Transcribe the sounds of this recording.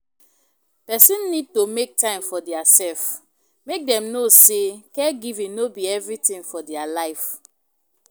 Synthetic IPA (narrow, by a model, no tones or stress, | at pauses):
pɛsĩnːid̚tomek̚tãɪ̃mfɔdɛasɛlf | mek̚dɛ̃mnosekɛɡivĩnobiɛvɹitĩŋfɔdɛalaɪf